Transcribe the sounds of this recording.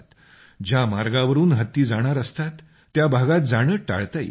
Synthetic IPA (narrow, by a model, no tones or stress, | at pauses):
t̪ | d͡ʑjamaɾɡaʋəɾuːnɦət̪ːiːd͡zaɽ̃aɾəst̪at̪ː | jabʱaɡat̪̚d͡zaɽ̃əːʈa̰ɭt̪aj